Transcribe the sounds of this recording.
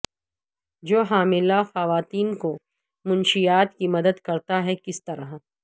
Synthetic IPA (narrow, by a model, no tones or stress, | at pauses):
d͡ʒoːɦaːmɪlaxɐʋaːt̪iːnko | mʊ̃nʃijaːt̪kimɐd̪əd̪kɐɾt̪aɦɛkɪst̪ɐɾaɦ